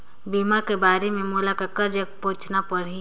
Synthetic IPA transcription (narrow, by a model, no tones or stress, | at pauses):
bimakebaːɾemẽmuːlakakəɾd͡ʒəkpõːt͡ʃnapəɽi